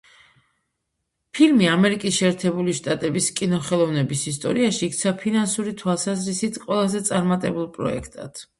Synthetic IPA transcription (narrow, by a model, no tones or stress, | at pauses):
pʰilmiamɛɾikʼisʃɛːɾt̪ʰɛbuliʃt̪ʼat̪ʼɛbiskʼinɔχɛlˠɔvnɛbisist̪ʼɔ̰ɾiaʃiːk̚ʰt̪sʰapʰinansuɾit̪ʰwalˠsazɾisit̪ʰqʼwɛlˠazɛt̪sʼaɾmat̪ʼɛbulˠpʼɾɔ̰ɛ̰kʰt̪ʼa̰d̪̥